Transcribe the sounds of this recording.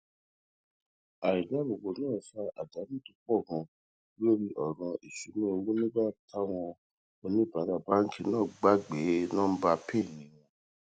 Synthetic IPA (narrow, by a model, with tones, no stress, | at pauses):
a˨i˨da˨˦bo˨ɡ͡bo˨˦nãː˦˨sa˦a̰˨da˨˦mĩ˦˨tu˨˧˦k͡pɔ˦˨ɡɔ̃˧˦ | o˦ɾi˧ʔɔ˨ɾ̃ɔ̃˧ʔi˨ʃu˨˦mĩ˦o˧wu˦nĩ˦ba˦tʰa˦w̃ɔ̃˧ | o˧nĩ˦ba˨˦ɾa˦˨ba˨˦ŋ̩˦kʰi˧nãː˦˨ɡ͡ba˦ɡ͡be˨˦nãː˦˨˦ba˧pe˦˨nĩ˨˦w̃ɔ̃˧